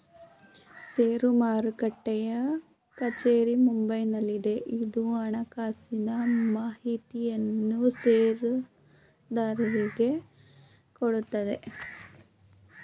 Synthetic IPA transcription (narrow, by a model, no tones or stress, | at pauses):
seːɾumaːɾukɐʈːɛjɐ | kɐt͡ʃe̞ːɾimumbɐjnɐlːid̪e̞ʔid̪uɐɳɐkaːsinɐmaːɦit̪ijɐnːuseːɾu | d̪aːɾɐliɡe̞ | koɽut̪ːɐd̪e̞